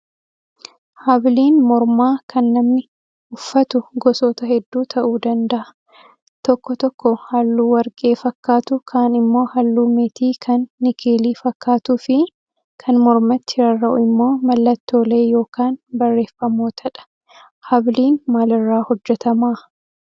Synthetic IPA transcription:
hɐbliːnmɔɾmaːkɐnːɐmnɪ | ʊfːɐt̪ʊɡɔsoːt̪ɐhɛd̪ːuːt̪ʰɐʔuːd̪ɐnd̪ɐʔɐ̥ | t̪ɔkːɔt̪ɔkːɔhɐlːuːwɐɾkʼe̞ːfɐkːaːt̪ʊkʰaːnɪmːo̞ːhɐlːuːmeːt̪iːkʰɐnːɪkʰeːliːfɐkːaːt̪ʊfɪ | kʰɐnmɔɾmɐt̪ːɪhɪɾɐrːɐʔʊɪmːoːmɐlːɐt̪ːo̞ːle̞ːjo̞ːkaːnbɐrːe̞ːfːɐmoːt̪ʰɐᶑɐ̥ | hɐbliːnmaːlɪrːaːhɔd͡ʒːɛt̪ɐmaː

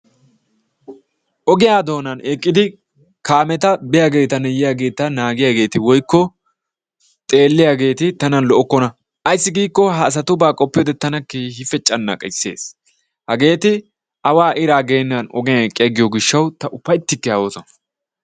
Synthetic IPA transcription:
ʔɔɡɪjaːd̪o̞ːnɐnɛkʼːɪd̪ɪ | kaːmɛt̪ɐbɪjaɡe̞ːt̪ɐnɛjɪjaɡe̞ːt̪ɐnaːɡɪjaɡe̞ːt̪ɪwɔjkːɔ | t̪ʼe̞ːlːɪjaɡe̞ːt̪ɪt̪ɐnɐnlɔʔɔkːɔnɐ | ʔɐjsːɪɡiːkːɔɦɐːs̬ɐt̪ʊbaːkʼɔpːɪjɔd̪ɛt̪ɐnɐkːehɪfɛt͡ʃʼːɐnːɐ̰kʼɐsːe̞̰ːs | hɐɡe̞ːt̪ɪ | ʔɐwaːʔɪɾaːɡe̞ːnːɐnɔ̰ɡɪjaɛkʼːɪjɐɡɪjoɡɪʃːɐwt̪ɐʔʊpːɐjt̪ːɪkːɛɐwoːsɔnɐ

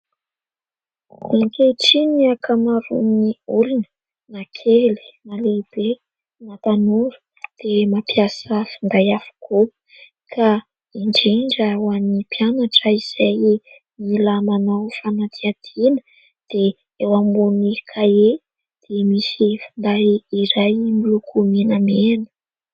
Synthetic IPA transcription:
aŋkeʈ͡ʂiniakʰamaɾṵniuɾinə̥ | nakʰeli̥naleb̥e | nat̪anuɾu̥ | d̪̥emapijasəfind̪ajafu̥ku | kʰa | iɳɖ͡ʐiɳɖ͡ʐawanipjanaʈ͡ʂəiz̥aj | milamanawfanat̪ʰiad̪̥inə | d̪̥e | ewambunikʰae | d̪̥emisifind̪ajiɾajmilukʰuminamenə̥

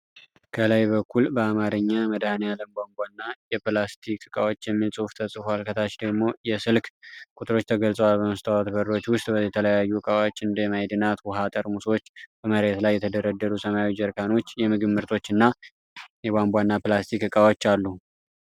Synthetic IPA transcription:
kʰəlajbəkʰːulbəamaɾɨɲːaməd̪ahnejaləmbʷambʷanːajɛplast̪ʰikɨkʼawo̞t͡ʃːjɛmːilsʼɨft̪ʰəsʼɨfalkʰət̪ʰat͡ʃd̪əɡmo̞jɛsɨlkkʼut̪ʼɨɾo̞t͡ʃːt̪ʰəɡəlsʼəwalbəməst̪ʰawat̪bəɾːo̞t͡ʃːwʊst̪ʼbəjɛt̪ʰələjajːukʼawot͡ʃːɨnd̪əjɛmajd̪ɨnat̪wɔɦat̪ʼəɾmuswot͡ʃːb̥əməhɾe̞t̪lajːɛt̪ʰəd̪əɾəd̪ːəɾusəmajawid͡ʒəɾkʰano̞t͡ʃːjɛmɨɡɨmːɨɾt̪ʰo̞t͡ʃːɨnːa | jɛbambʷanːaplast̪ʰikːɨkʼawot͡ʃːalːu

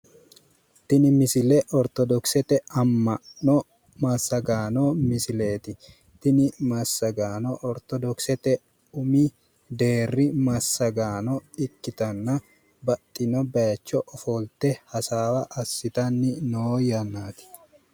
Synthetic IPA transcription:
t̪ɪnɪmɪsɪlɛʔɔɾt̪ɔd̪ɔksɛt̪ɛɐmːɐʔnɔ | mɐsɐɡaːnomɪsɪleːt̪ɪ | t̪ɪnɪmɐsːɐɡaːnɔʔɔɾt̪ɔd̪ɔksɛt̪ɛ | ʊmi | d̪eːrːɪmɐsːɐɡaːnɔɪkːɪt̪ɐnːɐ | bɐt̪ʼːɪnɔbɐjɐt͡ʃːɔʔɔfɔːlt̪ɛhɐsaːwɐʔɐsːɪt̪ɐnːɪnojɐnːaːt̪ɪ̥

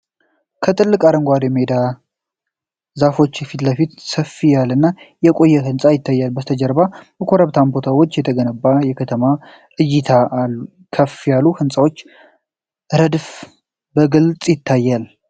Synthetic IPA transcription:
kʰət̪ʰʼɨlːɨkʼaɾəŋɡʷad̪jɛmed̪a | zafo̞t͡ʃːjɛfit̪ləfit̪səfijalɨnːajɛkʼo̞jːɛɦɨnsʼajɪt̪ʰːajːalbəst̪ʰəd͡ʒəɾbabəkʰo̞ɾəβt̪ʰambo̞t̪ʰawo̞t͡ʃːjɛt̪ʰəɡənəbːajɛkʰət̪ʰəma | ʔɨjːɪt̪ʰalːu | kʰəfijaluhɨnsʼawo̞t͡ʃː | ɾəd̪f | bəɡɨlt͡sʼjɪt̪ʰːajːal

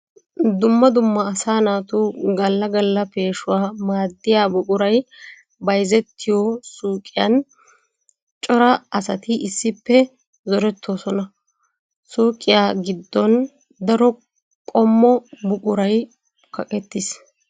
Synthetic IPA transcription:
d̪ʊmːɐd̪ʊmːɐːsaːnaːt̪uɡɐlːɐɡɐlːɐpe̞ːʃʊwaːmaːd̪ːɪjaːbʊkʼʊɾɐj | bɐjzɛt̪ːɪjɔsuːkʼːɪjɐ̰n | t͡ʃʼɔɾɐɐsɐt̪ɪʔɪsːɪpːɛ | zɔɾɛt̪ʰːoːsɔnɐ | suːkʼːɪjaːɡɪd̪ːɔn | d̪ɐɾɔ | kʼɔmːɔbʊkʼʊɾɐj | kɐkʼɛt̪ːɪs

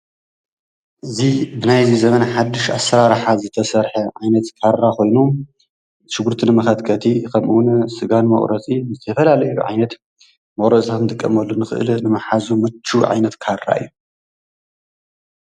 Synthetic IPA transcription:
ʔɨzibɨnajzizɐmɐnaħad̪ːɨʃa̰sːɐɾaɾħazɨt̪ʰɐsɐɾħɐʕajnɐt̪kʰaɾːakʰo̞jnu | ʃɨɡuɾt̪ʰinɨmɐxɐd̪kʰɐt̪ʰikʰɐmʔuwnsɨɡanmɐ̰χʼɾɐt͡sʼizɨt̪ʰɐfɐlalɐjuʕa̰jnɐt̪ | mɐχʼɾɐt͡sʼat̪nd̪ʼɨkʼːɐ̰mɐlːunɨxɨ̰ʔɨ̰lnɨmɐħazumɨt͡ʃʰːuʕa̰jnɐt̪kʰaɾːa̰ɨ̰jːu

